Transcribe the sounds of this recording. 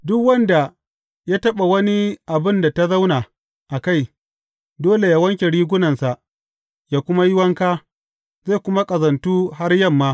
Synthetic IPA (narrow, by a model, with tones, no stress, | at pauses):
dʊ˦kwɐ˦nda˨ | jaː˦tɐ˦ɓa˨wɐ˦ni˦ʔa˨bɪ˦nda˨ta˦za˦wna˨ | ʔa˨ka˦˨j | doː˦le˨jaː˦wɐ˦ŋkʲe˨ɽiː˦ɡʷʊ˦nɐ˨nsa˨ʔ | jaː˦kʷʊ˦ma˦jʊ˦wɐ˦ŋkaː˦ | za˦˨kʷʊ˦ma˦kʼɐ˨zɐ˨ntuː˦ɦa˦rjɐ˦˨mːaː˦